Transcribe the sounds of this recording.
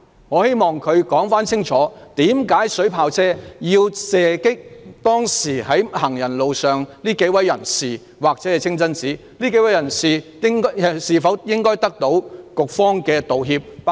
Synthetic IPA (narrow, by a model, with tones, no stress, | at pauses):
ŋɔː˨˧he˥jmɔː˨ŋkʰɵ˨˧ɥkɔː˨˥ŋfaː˥nt͡sʰɪ˥ŋt͡sʰɔː˨˥t̪iː˨˥mkaː˨˥jsɵ˨˥pʰaː˧wt͡sʰɛː˥jiː˧wsɛː˨kɪ˥k̚t̪ɔː˥ŋsiː˨˩hɐ˨˥jhɐ˨˩ŋjɐ˨˩nlo˨wsœː˨ŋliː˥ke˨˥jwɐ˨˥jːɐ˨˩nsiː˨˩ | waː˨k̚t͡sɛː˨˥ɛ˨t͡sʰɪ˥ŋt͡sɐ˥nt͡siː˨˥ | liː˥ke˨˥wɐ˨˥jɐ˨˩nsiː˨ | ɪ˥ŋ˨siː˨fɐ˨˥wjɪ˥ŋkɔː˥jt̪ɐ˥k̚t̪o˨˥wkʊ˨k̚fɔː˥ŋkɛː˧t̪o˨wɦiː˧p̚